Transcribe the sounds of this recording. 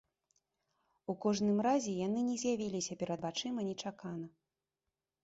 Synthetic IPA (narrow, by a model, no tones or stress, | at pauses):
ukɔʐnɨmɾazʲɛjanɨnʲɛzʲjavʲilʲisʲɐpʲɛɾɐd̪bat͡ʂɨmɐnʲɛt͡ʂakanɐ